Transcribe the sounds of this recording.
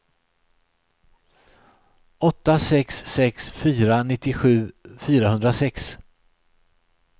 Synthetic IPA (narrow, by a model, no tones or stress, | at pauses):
ɔt̪ːasɛksːɛksfyːɾanɪt̪ːɪɧʉ̟ːfyːɾahɵnd̪ɾasɛks